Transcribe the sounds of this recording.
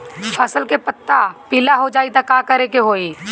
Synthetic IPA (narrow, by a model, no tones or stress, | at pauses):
pʰɐsəlkepət̪ːapɪlaɦod͡ʒaːit̪akaːkəɾekeɦoːi